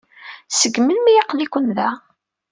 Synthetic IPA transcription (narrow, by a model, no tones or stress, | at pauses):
səɡməlmijɑqlikʷənðæ